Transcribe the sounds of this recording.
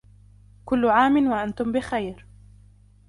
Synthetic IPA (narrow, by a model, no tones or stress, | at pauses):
kʊlːʊʕaːmɪnwaʔant̪ʊmbɪxajɾ